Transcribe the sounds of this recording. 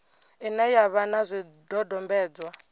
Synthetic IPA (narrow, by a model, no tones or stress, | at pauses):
inɛjaβanazʷi | dɔdɔmbɛːd͡zwa